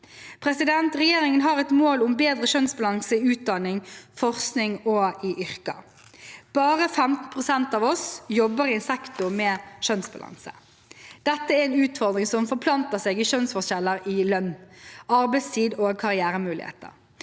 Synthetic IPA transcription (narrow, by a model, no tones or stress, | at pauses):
pʰɾɛsɪd̪ɛnt̪ʁɛjeːɾɪŋənɦɑɾɛt̪moːlʊmbeːd̪ʁəʃœnsbɑlɑŋsəɪʉːt̪̚d̪ɑnɪŋfɔʁsknɪŋɔɪʔʏɾkɑ̰ | b̥ɑːʁəfɛmt̪n̩pʰʁʊsɛnt̪ɑːʋɔsjɔbːəɾɪɛnsɛkt̪ʊmɛːʃœnsbɑ̰lɑ̰ŋsə̰ | d̪̥ɛt̪ːəæɾɛnʉːt̪fɔʁd̪ɾɪŋsɔmfɔʁpʰlɑnt̪əseːɡɪʃœnsfɔʃɛləɾɪlœnːɑɾbɛɪst̪ʰiːd̪oːkʰɑʁɪæːɾəmʉːlɪ̰hḛːt̪ə̰ɾ